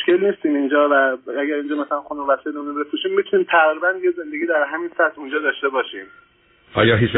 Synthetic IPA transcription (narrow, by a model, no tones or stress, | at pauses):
moʃkʰe̞lniːst̪iːmind͡ʒɒːvææɡæɾiːnd͡ʒɒːmæsælænxonumvæsed̪unobepʰɾuːʃiːmːit̪ʰuniːmt̪ʰæʁɾiːbænjeze̞nd̪eɡiːd̪æɾɦæmiːnsæt̪ʰund͡ʒɒːd̪ɒːʃt̪e̞bɒːʃiːm | ʔɒ̰ːjɒːɦit͡ʃ